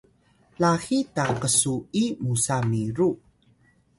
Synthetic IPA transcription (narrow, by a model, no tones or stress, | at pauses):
laxitaqəsuimusamiɾu